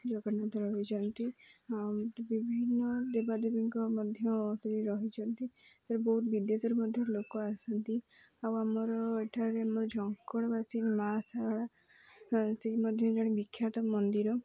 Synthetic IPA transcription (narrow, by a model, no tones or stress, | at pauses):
d͡ʒɔɡanat̪ɔɾɔɦɦit͡ʃʰɔnt̪i | bibʱinːɔd̪ebad̪ebiŋkɔmɔd̪ʱjɔːsɔɾiɾɔɦit͡ʃʰɔnt̪it̪aɾebɔɦut̪bid̪esɔɾɔmɔd̪ʱjɔɾlokɔasɔnt̪i | awamɔɾɔeʈʰaɾeamɔɾɔd͡ʒʱɔŋkɔɽɔbasinmasaɽa | seɦimɔd̪ʱjɔ̃d͡ʒɔɽ̃ibikʰːjat̪ɔmɔnd̪iɾɔ